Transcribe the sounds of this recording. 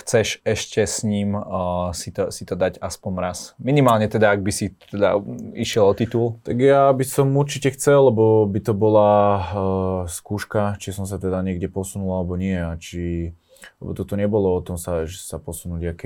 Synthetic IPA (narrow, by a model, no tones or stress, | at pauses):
xt͡sɛʃɛʃcɛsɲiːmsit̪ɔsit̪ɔd̪aɟaspɔnɾasminimaːlɲɛt̪ɛd̪aːɡ̚bisit̪ɛd̪a̰iʃɪɛlɔt̪it̪ult̪aɡjabisɔmuɾt͡ʃicɛxt͡sɛlːɛbɔbit̪ɔbɔla | skuːʃkat͡ʃisɔms̬at̪ɛd̪aɲɪɛɡɟɛpɔsunulalɛbɔɲɪɛat͡ʃi | lɛ̰bɔt̪ɔt̪ɔɲɛbɔlɔɔt̪ɔmsaʒsapɔsunuɟakɛ